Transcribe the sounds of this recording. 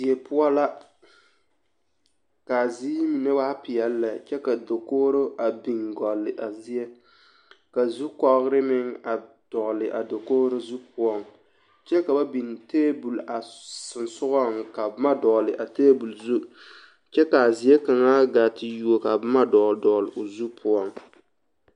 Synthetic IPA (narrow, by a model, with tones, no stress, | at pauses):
zi˨e˨pʊ˦ɔ˦la˦ | ka˨ziː˦mi˨ne˦wa˦pɪ˨jɛ˨lːa˨t͡ʃɛ˦ka˨do˨koː˦ɾo˦ʔa˨bi˨ŋɡɔ˨lːɪ˨ʔa˨zi˦e˦ | ka˨zu˦kɔ˦ɣɾɪ˦mɪ˦ŋa˨ | d̥ɔ˨ʔlɪ˨ʔa˨do˨koː˦ɾo˦zu˦pʊ˦ɔ˦˨ŋ | t͡ʃɛ˦ka˨ba˦bi˨nteː˦bu˨la˨sɪ˨nsʊ˦ɣɔ˦ŋka˨bma˦dɔ˨lɪ˨ʔa˨teː˦bu˨lzu˦ | t͡ʃɛ˦ka˨a˨zi˨e˦ka˨ŋaː˦ɡa˨tɪ˨ju˨o˨ka˨bɪ˦ma˦dɔ˨˦dɔ˨lɪ˨ʔʊ˨zu˦pʰʊ˦ɔ˦ŋ